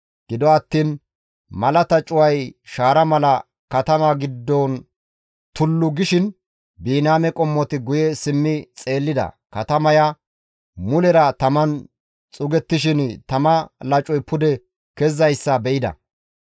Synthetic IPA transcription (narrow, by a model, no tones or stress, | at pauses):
ɡ̥ɪd̪ɔɐt̪ːiːn | mɐlɐt̪ɐt͡ʃʼʊwɐjʃaːɾɐmɐlɐ | kɐt̪ɐmɐɡɪd̪ːɔn | t̪ʊlːʊɡɪʃɪn | biːnaːmɛkʼɔmːɔt̪ɪɡʊjɛsɪmːɪt͡sʼe̞ːlːɪd̪ɐ̰kɐt̪ɐmɐja | mʊlɛɾɐt̪ɐmɐn | t͡sʼʊɡɛt̪ːɪʃɪnt̪ɐmɐlɐt͡ʃʼɔjpʊd̪ɛ | kɛzɐjsːɐbɛʔɪd̪ɐ̰